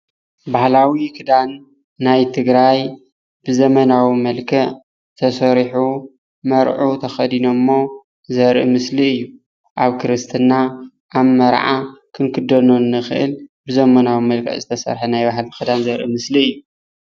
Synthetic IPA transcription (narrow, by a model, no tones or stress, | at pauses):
bahlawikʰɨd̪anː | ajt̪ʰɨɡɾaj | b̥ɨzɐmɐnawimɐlkʰɐʔ | t̪ʰɐsɐɾħu | mɐɾʕut̪ʰɐxɐd̪inomːo̞ | zɐɾʔɨmɨsliɨjːu | ʔaβkʰɨɾɨst̪ʰɨna | ʔaβmɐɾʕakʰɨŋkʰɨd̪ɐnonɨxɨʔɨ̰lbɨzɐmɐnawimɐlkʰɐ̰ʔzɨt̪ʰɐsɐ̰ɾħɐnajbaɦlkʰɨd̪anzɐɾʔɨ̰mɨsliɨjːu